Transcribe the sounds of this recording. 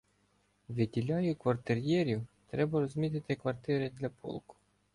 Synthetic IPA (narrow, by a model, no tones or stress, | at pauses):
ʋʲɪdʲilʲɑjʊkʋɐrt̪ɪrjɛɾʲiwt̪ɾɛbɐɾɔzʲmʲit̪ɪt̪ɪkʋɐrt̪ɪɾɪd̪lʲɐpʰɔ̰lˠkʊ̥